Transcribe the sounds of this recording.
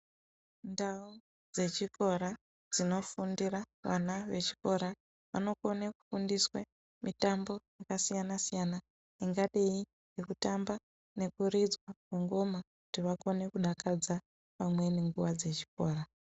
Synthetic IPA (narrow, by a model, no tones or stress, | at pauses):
ndau | d͡ze̞t͡ʃiko̞ɾa | d͡zino̞fundira | ʋa̰naʋe̞t͡ʃi̥ko̞ɾa | ʋa̰no̞ko̞neku̥fundiswe | mitambo̞jakasijanasijana | iŋɡaɗei | nekutamba | ne̞kurid͡zwakwuŋɡo̞makutiʋako̞ne̞kuɗakad͡za | pamwe̞neŋɡuʋad͡ze̞t͡ʃi̥ko̞ːra